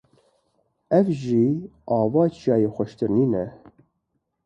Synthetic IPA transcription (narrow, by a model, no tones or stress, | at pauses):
ɛvʒiːɑːvɑːt͡ʃʰijɑːjexʷɛʃt̪ɨɾniːnɛ